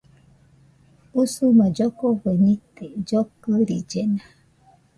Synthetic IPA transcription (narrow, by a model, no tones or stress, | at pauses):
osomad͡ʒɔkɔɣɛnited͡ʒɔkəɾid͡ʒɛna